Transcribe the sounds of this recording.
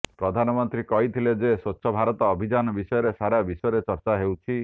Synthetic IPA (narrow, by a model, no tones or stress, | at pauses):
pɾɔd̪ʱanɔmɔnt̪ɾikɔɦit̪ʰiled͡ʒesotːʃʰɔbʱaɾɔt̪ɔːbʱid͡ʒanɔbisɔjɔɾesaɾabisɔjɔɾet͡ʃɔɾt͡ʃaɦewt͡ʃʰi